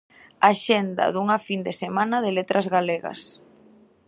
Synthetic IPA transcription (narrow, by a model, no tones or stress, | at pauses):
aʃɛnd̪ɐ̰ðuŋafind̪esemanɐðelet̪ɾʔɐzɣaleɣɐ̰s